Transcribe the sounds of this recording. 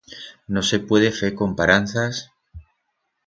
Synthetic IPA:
no̞se̞pwe̞ð̞efe̞ko̞mpaɾan̟θas

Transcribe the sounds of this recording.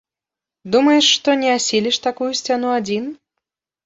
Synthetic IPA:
d̪umɐjɛʂːt̪ɔnʲɛasʲilʲiʂt̪akujusʲt͡sʲanuad͡zʲin

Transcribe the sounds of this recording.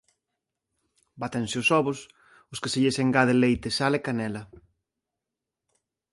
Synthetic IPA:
bat̪ẽnsɪʊsɔβʊs | ʊskɪseʎeseŋɡaðelejt̪ɪsalekanɛlɐ

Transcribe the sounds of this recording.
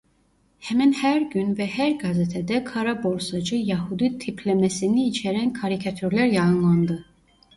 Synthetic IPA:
hɛmænhæɾɟynvɛhæɾɡazet̪ʰɛd̪ɛkʰaɾabo̞ɾsad͡ʒɯjahud̪it̪ʰipʰlʲɛmɛsiniːt͡ʃʰɛɾænkʰaɾicʰat̪ʰyɾlæɾjɑɯnlˠand̪ɯ

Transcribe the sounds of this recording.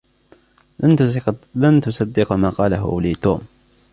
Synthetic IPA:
lant̪ʊsad̪ːɪqmaːqɑːlaɦʊ̰ʔliːt̪uːm

